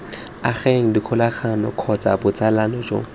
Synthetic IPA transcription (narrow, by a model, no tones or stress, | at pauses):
aχeŋ̩dikʰʊlaχanɔkʰɔt͡sabʊt͡sʼalanɔd͡ʒo̰